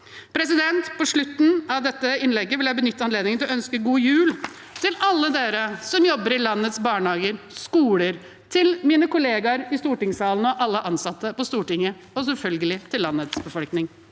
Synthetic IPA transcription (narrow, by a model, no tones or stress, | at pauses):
pʰɾɛs̬ɪd̪ɛnt̪pɔʂɭʉt̪ːn̩ɑʋd̪ɛt̪ːəɪnlɛɡːəʋɪljæɪbənʏt̪ːəɑnleːd̪nɪŋənʰɛlɔœnskəɡuːjʉːl | t̪ʰɪlɑlːəd̪eːɾəsɔmjɔbːəɾɪlɑnːət̪sbɑːɳhɑːɡəɾ | skuːləɾ | t̪ʰɪlmiːnəkʊleːɡɑɾɪst̪uːʈɪŋsɑːln̩ɔʔɑlːəʔɑnsɑt̪ːəpɔst̪uːʈɪŋːə | ɔs̬ɛlfœlɡəlɪt̪ʰɪlːɑnːət̪sbəfɔlknɪŋ